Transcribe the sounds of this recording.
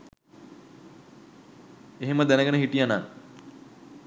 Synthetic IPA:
eɦeməd̪ænəɡənəɦiʈijana̰ŋ

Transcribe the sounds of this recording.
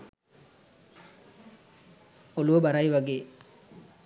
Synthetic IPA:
oluʋɐbaɾajʋɐɡeː

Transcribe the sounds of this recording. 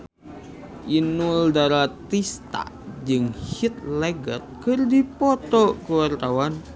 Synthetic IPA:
ʔinuldaɾat̪ist̪a̰ | d͡ʒɨŋhit̪̚lɛɡət̪̚kɨrdipɔt̪ɔkuwart̪awan

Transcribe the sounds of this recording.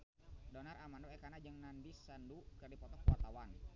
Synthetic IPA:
dɔnaramandɔɛkanad͡ʒəŋnandisandukərdipɔt̪ɔpuwat̪awan

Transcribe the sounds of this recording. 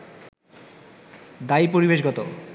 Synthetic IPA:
d̪aijpoɾibeʃɡɔt̪o

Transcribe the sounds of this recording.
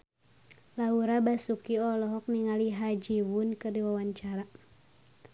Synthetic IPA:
lauɾabasukiɔlɔɦɔk̚niŋaliɦad͡ʒiwunkərdiwawaɲt͡ʃaɾa

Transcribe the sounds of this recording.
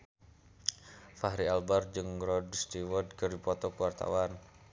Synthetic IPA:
faɦɾialbard͡ʒɨŋɾɔdst̪iwɔd̚kərdipɔt̪ɔkəwart̪a̰wan

